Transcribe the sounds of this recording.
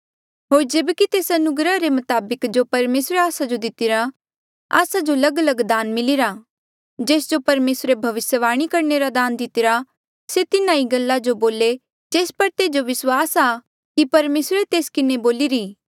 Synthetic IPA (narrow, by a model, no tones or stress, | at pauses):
ɦoːɾd͡ʒeːbkit̪eːsɐnʊɡɾəɾemʊt̪aːbəkd͡ʒopɐɾmeːsɾeaːsad͡ʒod̪ɪt̪ɪɾa | a̰ːsad͡ʒolɐɡəlɐɡd̪aːnmɪliɾa | d͡ʒeːsd͡ʒopɐɾmeːsɾebʱɐʋɪsjəʋaːɽ̃ikɐɾneɾad̪aːnd̪ɪt̪ɪɾa | set̪ɪnãiɡɐlːad͡ʒoboːle | d͡ʒeːspɐɾt̪eːd͡ʒoʋɪswaːsa | kipɐɾmeːsɾet̪eːskɪneboːliɾiː